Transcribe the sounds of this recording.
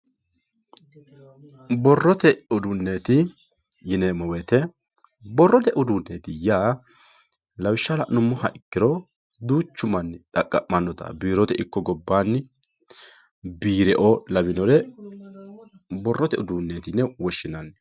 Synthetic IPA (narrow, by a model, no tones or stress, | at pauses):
bɔrːɔt̪ɛʊd̪ʊnːeːt̪ɪ | jɪnemɔwɛt̪ɛ | bɔrːɔt̪ɛʔʊd̪unːeːt̪ɪjaː | lɐwɪʃːɐlɐʔnʊmːɔhɐʔɪkːɪɾɔ | d̪uːt͡ʃːʊmɐnːɪt̪ʼɐkʼːɐʔmɐnːɔt̪ɐ̰biːɾɔt̪ɛʔɪkːɔɡɔbːaːnː | biːɾɛʔɔlɐwɪnɔɾɛ | bɔrːɔt̪ɛʔʊd̪uːnːeːt̪ɪnːɛwɔʃːɪnɐn